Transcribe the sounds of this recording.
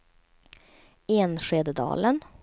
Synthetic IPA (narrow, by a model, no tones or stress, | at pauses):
eːnʂeːd̪əd̪ɑ̰ːlən